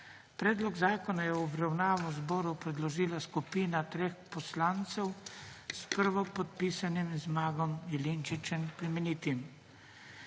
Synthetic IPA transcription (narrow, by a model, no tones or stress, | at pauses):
pɾɛːd̪lɔɡzaːkɔnajɛɔbɾawnaːʋɔzbɔːɾupɾɛd̪lɔʒiːlaskupiːnat̪ɾeːxpɔslaːnt̪sɛwspəɾʋɔpɔt̪̚piːsanimzmaːɡɔmjɛlint͡ʃit͡ʃɛnpɾimɛniːt̪im